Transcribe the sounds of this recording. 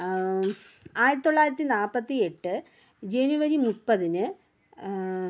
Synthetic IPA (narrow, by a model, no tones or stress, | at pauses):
aːjɾɐt̪it̪oːaːjiɾɐt̪̬ːinaːpɐt̪ːie̞ʈːɨ | d͡ʑe̞njuʋɐɾimupːɐðinɨ